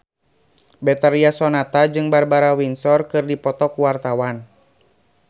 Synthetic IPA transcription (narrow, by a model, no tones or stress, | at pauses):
bɛt̪aɾiasɔnat̪ad͡ʒɨŋbarbaɾawinsɔrkɨrdipɔt̪ɔkuwart̪awan